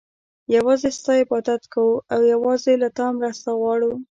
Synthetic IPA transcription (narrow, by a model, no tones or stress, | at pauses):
jawɑzest̪ɑjepɑt̪at̪kawuawjawɑzelat̪ɑmɾast̪aɣwɑɽu